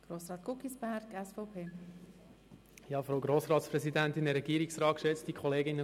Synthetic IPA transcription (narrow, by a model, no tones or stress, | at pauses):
ɡ̥ɾoːsɾɑːt̪kukisb̥æɾɡɛsfɔʊpʰeː | jɑːfɾoʊɡɾoːsɾɑːtspɾɛsidænt̪ɪnəɾɛɡiːɾiksrɑːkʃɛt͡stikʰɔleːɡɪnːə